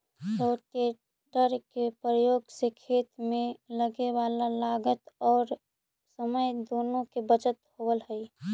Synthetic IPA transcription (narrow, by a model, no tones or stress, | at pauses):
t̪oʈe | ʈəɾkepɾəjoːɡsekʰeːt̪mẽləɡewaːlalaːɡət̪ɔːɾ | səməjd̪oːnõkebət͡ʃət̪howəlɦəi